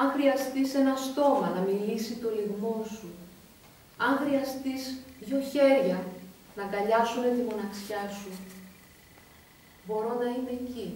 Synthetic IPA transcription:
ɐŋxɾiɐst̪ise̞nɐst̪o̞mɐnɐmilisit̪o̞liɣmo̞su | ɐŋxɾiɐst̪isðʝo̞çe̞ɾʝɐ | nɐɡɐʎɐsune̞t̪imo̞nɐksçɐsu | bo̞ɾo̞nɐine̞ːci

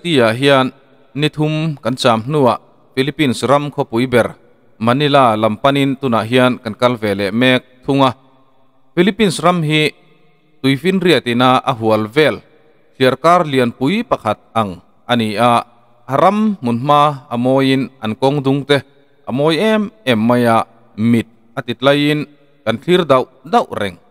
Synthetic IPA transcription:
t̪iaʔɦiaənː | it̪ʰumkɐnt͡saːmn̥nuaʔ | filipinsramkʰɔpujbɛr | mɐnilalɐmpɐnint̪unaʔɦiənkɐnkɐlvɛlːɛʔmɛk̚t̪ʰuŋa | filipinsramɦi | t̪ujfinriət̪inaʔaɦuəlvɛl | ɬʰiərkarliənpujpɐkʰɐt̪̚ɐŋ | ʔɐniaʔ | ɐɾamːunm̥aʔɐmɔːjinʔɐnkɔŋd̪ʊŋt̪ɛ | ʔamɔːjɛmɛmːajaʔ | mit̪̚ | ɐt̪it̪̚lɐjin | kɐnɬʰird̪ɐwd̪ɐwʔrɛŋ

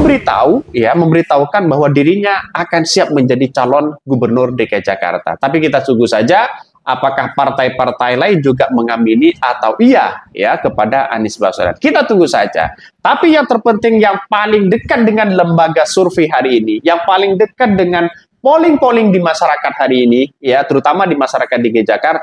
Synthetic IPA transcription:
əmbəɾit̪a̰ujaməmbəɾit̪aukanbaɦwadiɾiɲaakansiap̚məɲd͡ʒadit͡ʃalɔnɡubərnʊrdəkad͡ʒa̰ka̰rt̪a̰t̪apikit̪at̪uŋɡusad͡ʒa | ʔapakahpart̪ajpart̪ajlaɪnd͡ʒuɡaməŋaminiat̪awʔia̰jakəpadaʔa̰nɪsba̰so̰la̰nkit̪at̪uŋɡusa̰d͡ʒa̰t̪apijaŋt̪ərpənt̪ɪŋjaŋpalɪŋdəkat̪̚dəŋanləmbaɡasurfiɦaɾiːnijaŋpalɪŋdəkat̪̚dəŋan | polɪŋpolɪŋdimaʃaɾakat̪̚haɾiːnijat̪əɾut̪amadimaʃaɾakat̪̚diɡəd͡ʒakart̪

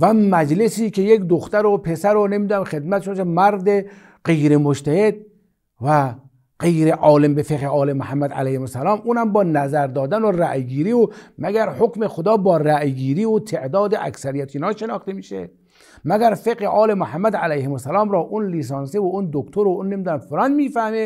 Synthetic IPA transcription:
væmæd͡ʒlesiːkʲejekd̪oxt̪æɾopʰesæɾonemiːd̪unæmxe̞d̪mæt̪ʃomkʰemæɾd̪e | qejɾemoʃt̪ʰæhed̪̚ | væ | qejɾeʔɒːlembefeqeʔɒːlemohæmːæd̪æ̰læjhemosælɒːmʔuːnhæmbɒːnæzæɾd̪ɒːd̪ænoræʔɡiːɾiːomæɡæɾhokmexod̪ɒːbɒːræʔɡiːɾiːot̪ʰeʔd̪ɒːd̪eʔæ̰ksæɾijæt̪ʰoiːnɒːʃenɒːxt̪emiːʃḛ | mæɡæɾfeqeʔɒːlemoħæmːæd̪ælæjhemosælɒːmɾɒːʔunliːs̬ɑːnsevound̪okt̪ʰoɾonːemiːd̪uːnæmfolɑːnmiːfæhme

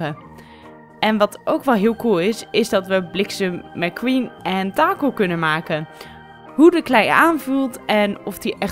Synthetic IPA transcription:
ə | ɛnʋɑtʰʔowkʋɛlˠɦɪːlˠkulˠɪsɪzdɑtʋəblɪksəmɛkwinɛntaːkəlˠkɵnənmaːkən | ɦudəklɛjaːnvulˠtɛnɔfdiʔɛ

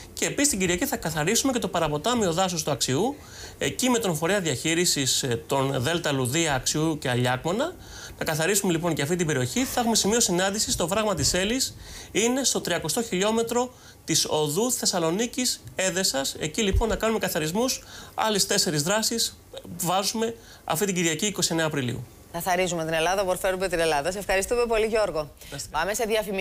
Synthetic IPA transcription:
ce̞ːpisist̪iɲɟiɾiɐciθɐkɐθɐɾisumece̞t̪o̞pɐɾɐpo̞t̪ɐmio̞ðɐs̬o̞st̪uɐksiu | e̞̰cime̞t̪onfo̞ɾeɐðiɐçiɾisist̪o̞nðe̞lt̪ɐluðiɐːksiuce̞ɐʎɐkmo̞nɐ | nɐkɐθɐɾisume̞lip̬o̞nceɐft̪it̪ibe̞ɾio̞çiθɐe̞xume̞simio̞sinɐnd̪isist̪o̞pɾɐɣmɐt̪ise̞lisine̞st̪o̞t̪ɾiɐko̞st̪o̞çiʎo̞me̞t̪ɾo̞ | t̪iso̞ðuθe̞sɐlo̞nicise̞ðe̞sɐse̞̰cilipo̞nːɐkɐnume̞kɐθɐɾizmusɐ̰list̪e̞se̞ɾizðɾɐsis | vɐzume̞ | ɐ̰ft̪it̪iɟiɾʝɐciːko̞sie̞ne̞ɐːpɾilḭṵ | kɐθɐɾizumet̪ine̞lɐðɐpoɾfeɾumet̪ine̞lɐðɐsefxɐɾist̪ume̞po̞liʝo̞ɾɣo | ɐsɐmeseðjɐfim

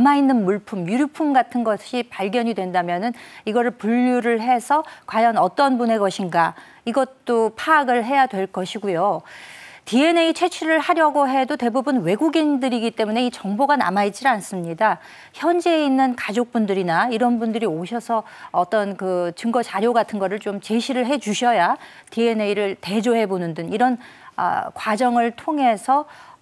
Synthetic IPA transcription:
amainːɯnmuɭpʰumjuɾipʰumɡatʰɯnɡʌɕʰipaɭɡjʌɲidwe̞ndamjʌnɯniɡʌɾɯɭpuʎːuɾɯɭɦe̞sʰʌkwajʌnʌt͈ʌnbune̞ɡʌɕʰinɡa | iɡʌt͈opʰaːɡɯɭɦe̞jadwe̞ɭk͈ʌɕʰiɡujo | tie̞neit͡ɕʰe̞t͡ɕʰiɾɯɭhaɾjʌɡoɦe̞dote̞bubunwe̞ɡuɡiŋdɯɾiɡit͈e̞mune̞it͡ɕʌŋboɡana̰mait͡ɕ͈ians͈ɯmɲida | çjʌnd͡ʑe̞inːɯnkad͡ʑok̚p͈undɯɾinaiɾʌnbundɯɾioɕʰʌsʰʌː | t͈ʌnkɯt͡ɕɯŋɡʌt͡ɕaɾjoɡatʰɯnɡʌɾɯɭt͡ɕomt͡ɕe̞ɕʰiɾɯɭɦe̞d͡ʑuɕʰʌja | tie̞neiɾɯɭte̞d͡ʑoɦe̞bonɯndɯŋiɾʌn | ʌ̰kwad͡ʑʌŋɯɭtʰoŋɦe̞sʰʌ

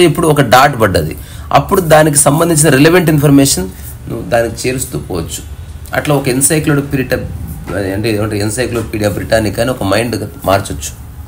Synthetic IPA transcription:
ipːuɽuɔkɐɖaːʈbɐɖːɐd̪ḭ | ɐ̰pːuɽud̪aːnik̬isɐmbɐnd̪iɲt͡ʃinɐɾeleʋɐɳʈinpʰɐɾmɛːʂɐn | nuʋːd̪aːnikit͡ʃeːɾust̪ṵːkɔːʋɐt͡ʃːu̥ | ɐ̰ʈlaːɔkɐinsɐjkloɽpiɾiʈɐ | ɐɳʈeːeːʋɐɳʈeinsɐjkloɽpiːɽijaːbɾiʈaːnikːaːniɔkɐmɐjɳɖɡamaːɾt͡ʃɐt͡ʃːu̥

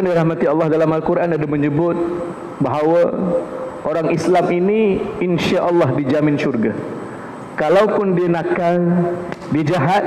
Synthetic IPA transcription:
andiɾahmat̪iɑlˠːɑhdalamalkuɾʔanadaməɲəbʊt̪̚ | baɦawa | oɾaŋislaminiinʃaʔɑlːɑhdid͡ʒamɪnʃurɡa | kalawpʊndianakaldid͡ʒaɦat̪̚

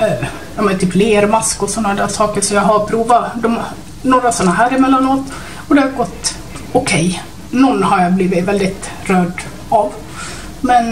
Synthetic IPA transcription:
jɑmat̪ʰyːpleːəɾmaskɔsɔnːad̪æʂɑːkəɾʂɔjɑɡɦaɾpʰɾuːvad̪ɔm | noːɾasɔnːaɦæːɾɪmɛlːanoːt̪ | ɔd̪ɛhaɾɡɔt̪ː | ʊkʰɛj | nɔnːhaɾjabliːvɪt̪vɛld̪ɪt̪ | ɾœːɖ̪ | av | mɛn

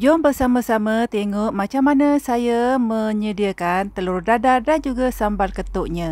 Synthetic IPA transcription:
d͡ʒɔmbərsaməsamət̪eŋoʔmat͡ʃamːanəsajaməɲədiakant̪əlurdadadand͡ʒuɡasambalkət̪uʔɲa

